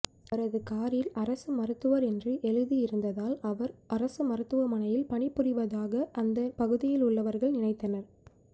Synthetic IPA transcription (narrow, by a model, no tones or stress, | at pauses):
ɐɾɐðɯkaːɾjɪlɐɾɐsɯmɐɾɯt̪ːɯʋɐɾɛndrɯʔɛɻɯðijɪɾɯnd̪ɐðaːlɐʋɐɾɐɾɐsɯmɐɾɯt̪ːɯʋɐmɐɳɐjɪlpɐɳɪpːɯɾɪʋɐðaːɣɐʔɐnd̪ɐpɐɣɯðɪjɪlʊɭːɐʋɐɾɣɐɭnɪnɐɪt̪ːɐnɐɾ